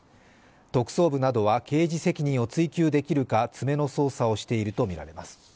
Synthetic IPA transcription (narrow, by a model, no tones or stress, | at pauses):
t̪o̞kɯ̟̥so̞ːbɯ̟nad̪o̞βake̞ːʑise̞kʲiɲ̟ĩɰ̃o̞t͡sɨikʲɨːd̪e̞kʲiɾɯ̟kat͡sɨme̞no̞so̞ːsao̞ɕi̥t̪e̞iɾɯ̟t̪o̞mʲiɾa̰ɾe̞masɨ̥